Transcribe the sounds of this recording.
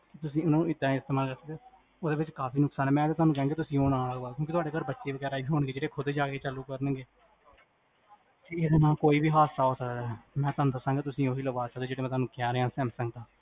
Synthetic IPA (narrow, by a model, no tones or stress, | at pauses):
kɪt̪ʊs̬ĩːʊnaːnũːɪd̪ãːɪst̪eːmaːlkəɾsək̚d̪eː | oːd̪eːʋɪt͡ʃkaːpʰiːnʊksaːnɛːmɛ̃ːd̪eːt̪ʊɦaːnuːkɛ̃ãːɡeːt̪̬ʊsĩːoːnãːlaːbaːlkjõːkɪt̪ʊaːɖeːkaːɾbətːʃeːʋəɡɛːɾaːibiːɦoːɳɡeːd͡ʒeːɽeːkʰʊd̪eːd͡ʒaːkeːt͡ʃəluːkəɾnə̃ɡeː | k̪eeːd̪anãːkoːiːbiːɦaːsaːɦoːsəkd̪ɛmɛ̃ːt̪ʊaːnũːd̪əsãŋɡeːt̪ʊsĩːoːɦiːləʋaːsəkd̪eːd͡ʒeːɽeːmɛ̃t̪ɦaːnuːkɪjaːɾeãːsɛːmsəŋɡt̪aː